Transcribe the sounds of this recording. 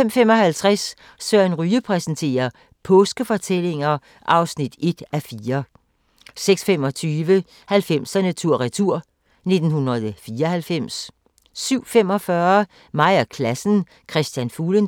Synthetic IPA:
fem̰femɒ̽ɦælt͡sʰʁas | sɶɐ̰nʁyːəpʰʁɛsn̩t͡sʰe̝̰ːɐ | pʰɔ̽ːsɡ̥əfɒ̽t͡sʰele̝ŋɐ | ʔɑ̈ʊsnid̥e̝d̥æfiːɐ | seɡ̥sfem̰ɒ̽t͡sʰyːʋə | hælfem̰sænæt͡sʰuɐ̰ʁit͡sʰuɐ̰ | ne̝d̥n̩hunɐðˠfiːɐhælfem̰sː | yʊ̰fem̰ɒ̽fɶɐ | mɑ̈ɪ̰ɐkʰlæsn̩ | kʰʁɛsd̥jænfuːlən

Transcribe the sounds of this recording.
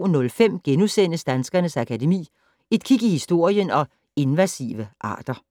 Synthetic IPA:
nɔ̽lfem̰ɡ̥enusen̰əsd̥ænsɡ̥ɐnəsækʰæde̝mḭː | e̝d̥̚kʰiɡ̥ihisd̥o̝ɐ̰jənɒ̽ | e̝nʋæsḭʋəʔɑ̈ːd̥ɐ

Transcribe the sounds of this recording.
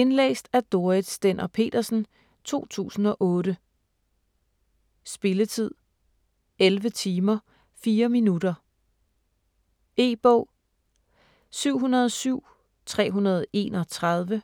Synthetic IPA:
e̝nlḛːsd̥æɐd̥o̝ɐid̥ˠsd̥en̰ʔɐpʰe̝̰ːd̥ɐsn̩ | t͡sʰo̝̰ːt͡sʰṵːsn̩ɒ̽ʔɔ̽ːɾə | sb̥e̝lət͡sʰið̞̰ˠ | elʋət͡sʰiːmɐ | fiːɐminud̥ɐ | e̝̰ːb̥ɔʊ̰ | syʊ̰ɦunɐð̞ˠsyʊ̰ | t͡sʰʁɛ̰ːɦunɐð̞ˠe̝̰ːnɒ̽t͡sʰʁɑðˠʋə

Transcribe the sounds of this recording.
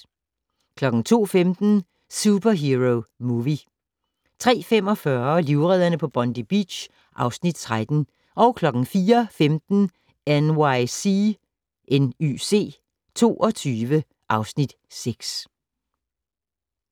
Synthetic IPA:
kʰlɒ̽ɡ̥ŋ̩t͡sʰo̝̰ːfemd̥n̩ | sub̥ɐɦiʁoʊmuʋi | t͡sʰʁɛ̰ːfem̰ɒ̽fɶɐliʊʁɛð̰ˠɐnəpʰɒ̽b̥ɒ̽nd̥ib̥ḭd̥ɕ | ʔɑ̈ʊsnid̥̚t͡sʰʁad̥n̩ | ʔɒ̽ʊkʰlɒ̽ɡ̥ŋ̩fiːɐfemd̥n̩ | ænwaɪsi | ʔeny̰se̝̰ː | t͡sʰo̝̰ːʔɒ̽t͡sʰyːʋə | ʔɑ̈ʊsnid̥ | seɡ̥s

